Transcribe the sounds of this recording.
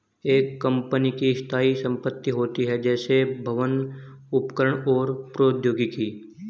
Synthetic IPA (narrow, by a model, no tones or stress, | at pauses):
eːkːə̃mpənikist̪ʰaːisə̃mpət̪ːiɦoːt̪iɦɛd͡ʒɛːsebʱɐʋən | ʊpkəɾəɳ̃ɔːɾpɾoːd̪joːɡikiː